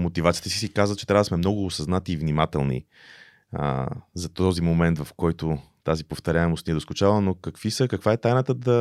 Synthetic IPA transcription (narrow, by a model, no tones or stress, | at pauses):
mot̪ivat̪it̪ɛsisikazvət̪t͡ʃːɛt̪ɾavəd̪smɛmnɔɡʊːsɐznat̪iːvnimat̪ɛlˠnḭ | ə̰zɐt̪ɔzimomɛnt̪vɐfkɔjt̪ʊ | t̪azipoft̪ɐɾʲaɛmost̪niɛd̪oskʊt͡ʃalˠənokɐkvisəkɐkvaɛt̪ajnət̪əd̪ɐ